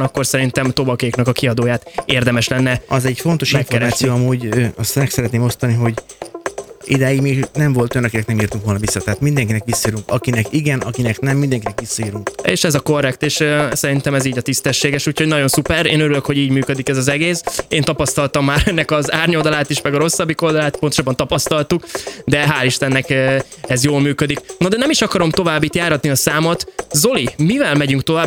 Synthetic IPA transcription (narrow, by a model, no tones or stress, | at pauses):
ɒkːo̞rsɛɾint̪ɛmt̪o̞bɒkeːknɒkɒkiɒd̪oːjaːt̪eːrd̪ɛmɛʃlɛnːɛɒzɛɟfo̞nt̪o̞ʃifɛɾɛnsiøɒmuːɟøːɒst̪ɛksɛɾɛt̪neːmo̞st̪ɒniɦo̞ɟ | ḭd̪ɛiɡmiːɡnɛɱvo̞lt̪ojnɒkinɛknɛmiːrt̪uŋkʋo̞lɒvisːɒt̪ɛɦaːt̪mind̪ɛŋkinɛkʋisːɒiːɾuŋkɒkinɛkiɡɛnɒkinɛknɛmːind̪ɛŋkinɛkʋisːɒiːɾuŋkḛːʃɛzɒko̞rːɛkt̪eːʃsɛɾint̪ɛmɛziːɟɒt̪ist̪ɛʃːeːɡɛʃuːcʰhoɟnɒɟo̞nsupɛɾeːnøɾyløkho̞ɟiːɟmyːkød̪ikɛzɒzɛɡeːseːnt̪ɒpɒst̪ɒlt̪ɒmːaːɾɛnːɛkɒzaːrɲo̞ld̪ɒlaːt̪iʃmɛɡɒɾo̞sːɒbːiko̞ld̪ɒlaːt̪ponoʃaːbɒnt̪ɒpɒst̪ɒlt̪ukd̪ɛɦaːliʃt̪ɛnːɛkɛzjoːlmyːkød̪iknɒd̪ɛnɛmiʃɒkɒɾo̞mt̪o̞vaːbːit̪jaːɾɒt̪niɒsaːmot̪zo̞limivɛlmɛɟyŋk̚t̪o̞vaː